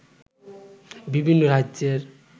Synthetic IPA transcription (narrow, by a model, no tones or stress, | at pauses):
bibʱinːoɾad͡ʒeɾ